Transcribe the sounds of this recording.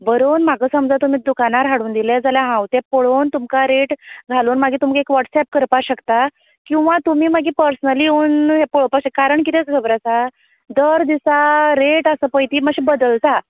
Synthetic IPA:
bəɾoːnm̤aɡəsəmd͡zat̪umiːd̪ukanaɾɦaɽuːnd̪iled͡zaljaɦãwt̪ɛpəɭont̪umkaɾeʈd͡zʱaluːnmaɡiːt̪umkiekʋəʈsɛp̚kəɾpaɕəkt̪a | kĩw̃ʋãt̪umiːmaɡiːpəɾsnəliuːnɦepəɭpakɕekaɾəɳkit̪et͡sɡʱəbɾasa | d̪əɾd̪isaɾeʈəsəːpəjt̪iːməɕibəd̪əlt̪a

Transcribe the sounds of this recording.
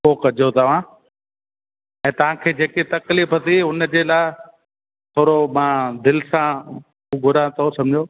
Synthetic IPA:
poːkɐd͡ʑʱot̪ɐʋ̤ãː | ɛ̃ːt̪ɐʋ̤ãkʰeːd͡ʑeːkit̪ɐkliːfɐt̪iʊnd͡ʑeːlaːɪ | t̪ʰoːɾomãːd̪ɪlsã | uɡʱʊɾat̪ʰosɐ̃md͡ʑʱoː

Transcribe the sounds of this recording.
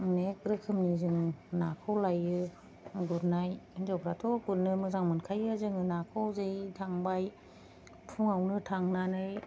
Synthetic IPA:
nekɾɯkʰɯmnizɯŋnakʰawlajɯ | ɡuɾnajzawbʰɾatʰɔɡuɾnɯmɯzaŋmɯnkʰajɯzɯŋɯnakʰawzɯjtʰaŋbaj | pʰuŋawnɯtʰaŋnanɯj

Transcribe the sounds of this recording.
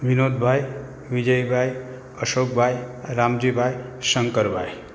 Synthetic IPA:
ʋinoːd̪̚bʱaj | ʋid͡ʒəjbʱaj | əʃok̚bʱajɾamd͡ʒibʱajsəŋkəɾbʱa̰j

